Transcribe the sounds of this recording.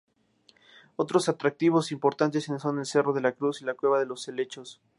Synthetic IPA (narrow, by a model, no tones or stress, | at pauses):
o̞t̪ɾo̞sat̪ɾak̚t̪iβ̞o̞simpo̞ɾt̪ant̪e̞senso̞ne̞lse̞ro̞ð̞e̞lakɾusilakwe̞β̞aðe̞lo̞sːe̞le̞t͡ʃo̞s